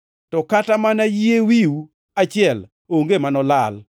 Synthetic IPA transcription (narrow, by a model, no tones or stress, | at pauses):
tɔkatamanajiewiu | at͡ʃɪɛl | oŋɡemanɔlal